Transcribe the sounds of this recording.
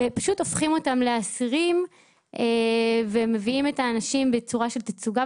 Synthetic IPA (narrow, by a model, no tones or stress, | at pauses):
paʃuto̞fχimo̞tamleasiʁim | ʔeveme̞viime̞taːnaʃimbet͡suʁaʃe̞lt̪at͡suɡa